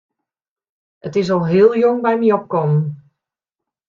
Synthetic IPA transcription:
ətɪs̬ɔlˠɦɪːlˠjoŋbɛjmiɔp̚kɔmən

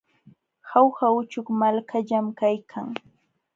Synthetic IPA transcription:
xawxaʊt͡ʃʊkmalkʰaʎamkajkʰaŋ

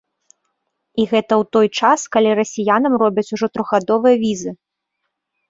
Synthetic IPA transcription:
iɣɛt̪ɐwt̪ɔjt͡ʂaskalʲiɾɐsʲijanɐmrɔbʲɛt͡sʲuʐɔt̪ɾɔɣɣad̪ɔvɨjɐvʲizɨ

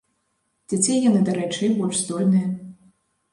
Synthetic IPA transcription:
d͡zʲat͡sʲejjanɨd̪aɾɛt͡ʂɨjbɔlʲʂsd̪ɔlʲnɨjɐ

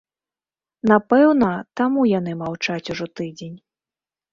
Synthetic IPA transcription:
napɛwnɐt̪amujanɨmawt͡ʂat͡sʲuʐɔt̪ɨd͡zʲenʲ

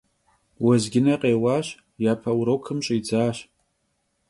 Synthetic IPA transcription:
wazɡʲɪnaqʼejwaʃ | japʰawuɾowkʰɨmt͡ʃʼaid͡zaːʃ

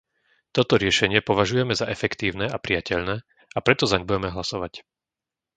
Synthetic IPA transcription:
t̪ɔt̪ɔɾɪɛʃɛɲɪɛpɔʋaʒujɛmɛzaʔɛfɛkt̪iːʊnɛapɾɪjacɛʎnɛː | apɾɛt̪ɔzaɲɛbujɛmɛɦlasɔʋac

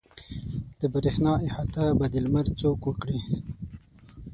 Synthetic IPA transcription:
d̪̥əbəɾexnɑːihat̪abad̪ilmaɾt͡ʃokukɽi

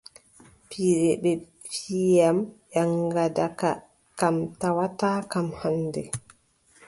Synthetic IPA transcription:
piɾɛɓɛ | pʰijamʔaŋɡadaka | kamtawataːkamhanːdɛ

